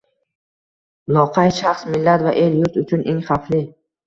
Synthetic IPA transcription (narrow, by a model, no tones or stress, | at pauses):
lˠɒqʰɑjʃaχsmɪlːat̪vaʔe̞ljʊɾt̪ʊt͡ʃʰʊnʔe̞ŋχaflɪ